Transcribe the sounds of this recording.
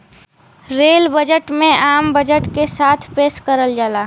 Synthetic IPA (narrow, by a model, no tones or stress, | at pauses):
ɾeːlbəd͡ʒəʈmẽaːmbəd͡ʒəʈkesaːt̪ʰpeːskəɾəld͡ʒaːlaː